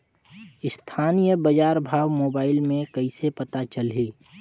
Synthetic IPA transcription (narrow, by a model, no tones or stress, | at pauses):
ɪst̪ʰaːnijəbɐd͡ʒaːɾbʱaːʋmoːbaːɪlmẽkəisepɐt̪at͡ʃəlɦeː